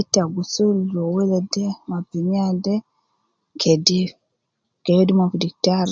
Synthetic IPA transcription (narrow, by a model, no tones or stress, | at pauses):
itaɡusulɔwɛlɛdɛmapiɲiadɛ | kʰɛdi | kɛjɛdimavudik̚taɾ